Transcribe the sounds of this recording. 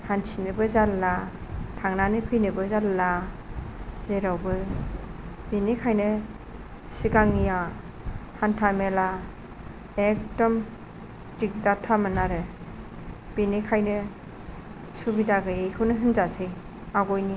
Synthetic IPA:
hansinɯbɯzalːatʰaŋnanɯpʰɯjnɯbɯzalːa | zeɾawbɯ | binikʰajnɯ | siɡaŋnija | hantʰamela | ek̚tɔm | dik̚datʰːamɯnaɾɯ | b̥inikʰajnɯ | subidaɡɯejkʰɯwnɯɦɯnzasɯj | aɡɔjni

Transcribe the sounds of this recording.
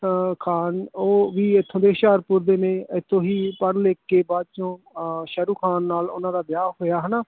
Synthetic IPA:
kʰaːnoːʋiːɪt̪ʰːõːd̪eːʃaːɾpʊɾd̪eːnẽːɪt̪ʰːõːɦiːpəɾleːkːeːbaːd̪̚t͡ʃõː | ʃəɾuːkʰaːnːaːlʊ̰nãːd̪aːb̪ɪjaːɦoːjaːɦənaː

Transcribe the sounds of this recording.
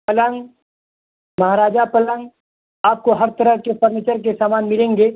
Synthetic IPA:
pɐləŋɡ | mɐɦaːɾaːd͡ʒapɐlə̃ŋɡ | aːp̚koɦɐɾt̪ɐɾəɦkepəɾnet͡ʃəɾk̬esaːmaːnmɪlẽːŋɡeː

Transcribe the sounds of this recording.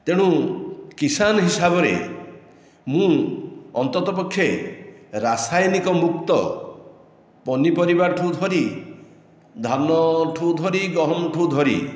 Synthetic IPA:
t̪eɽ̃ũkisanɔɦisabɔɾḛ | mũɔnt̪ɔt̪ɔpɔkʰːje | ɾasajnikɔmuk̚t̪ɔ | pɔnipɔɾibaʈʰud̪ʱɔɾi | d̪ʱanɔʈʰud̪ʱɔɾiɡɔɦɔmʈʰud̪ʱɔɾḭ

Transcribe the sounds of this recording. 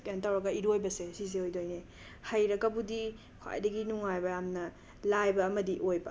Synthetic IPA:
kentawɾɐɡɐiɾojbɐsesizeojdojne | hɐjɾɐkːɐbudi | kʰwa̰jdɐɡinuŋajbɐjamnɐ | lajbɐːmɐdiʔojbɐ

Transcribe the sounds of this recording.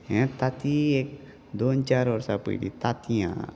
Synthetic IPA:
ɦɛ̃t̪at̪iek̚ | d̪ont͡ɕaɾʋəɾsapə̰jlḭt̪at̪ijã̰

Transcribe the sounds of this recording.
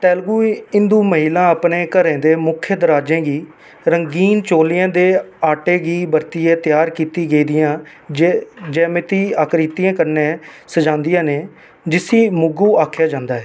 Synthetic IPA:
t̪ɛːlɡuːɪ̃nd̪uːməɦiːlãːəpneːkəɾẽːd̪eːmʊkʰːjəd̪əɾaːd͡ʒẽːɡiː | ɾəŋɡiːnt͡ʃoːlɪjãːd̪eːaːʈeːɡiːbəɾt̪ɪjẽːt̪jaːɾkiːt̪iːɡeiːd̪ɪjãː | d͡ʒɛːmɪt̪iːaːkɾiːt̪ijãːkəɾnẽːsəd͡ʒãːnd̪ɪjãːneː | d͡ʒɪsiːmʊɡuːaːkʰjaːd͡ʒãːnd̪aːɦɛː

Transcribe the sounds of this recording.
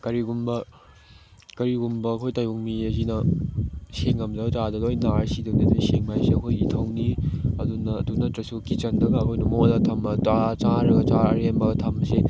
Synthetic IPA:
kɐɾiɡumbɐ | kɐɾiɡumbɐːkʰojtajuŋmiɐzinɐ | seŋɐmzɐɡd͡ʒadɐdojnaɾsiduniɐtʰojseŋmajseɐkʰojitʰɐwniɐdunɐːdunɐtɾɐsukit͡ʃɐndɐɡɐːkʰojnɐmonɐtʰɐmɐt͡ʃat͡ʃaɾɐɡɐt͡ʃaɐɾembɐɡɐtʰamɐse

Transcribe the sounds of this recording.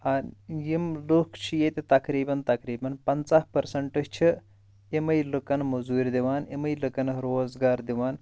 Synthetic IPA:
ɐnjimlukʰt͡ʃʰijet̪ʲet̪ɐkɾiːbɐnt̪ɐkɾiːbɐnpɐnt͡sahpɐɾsɐɳʈɨt͡ʃʰi | imɐjlɨkɐnmɐzuːɾʲd̪iʋaːnimɐjlɨkɐnɾoːzɡaːɾd̪iʋaːn

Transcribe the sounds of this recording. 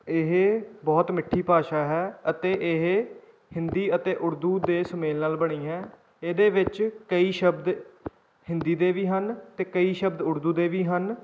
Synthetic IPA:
ɪɦbɔːt̪mɪʈʰːiːpaːʃaːɦɛːət̪eːʔɪɦ | hɪ̃nd̪iːət̪eːʔʊɾd̪uːd̪eːsəmeːlnaːlbəɽ̃iːɦɛː | eːd̪eːʋɪt͡ʃkəiːʃəbd̪ | hɪ̃nd̪iːd̪eːʋiːɦənt̪eːkəiːʃəbd̪ʊɾd̪uːd̪eːʋiːɦən

